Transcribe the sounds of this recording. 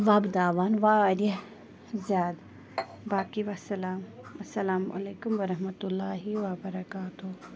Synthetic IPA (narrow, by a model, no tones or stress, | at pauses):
ʋaːbd̪aːʋaːnʋaɐɾɐ | zjaːd̪ | baːkiʋɐsɐlaːm | ɐsːɐlaːmʔɐ̰leːkʊmʋɐɾɐɦmɐt̪ulːaːɦiwɐbɐɾɐkaːt̪u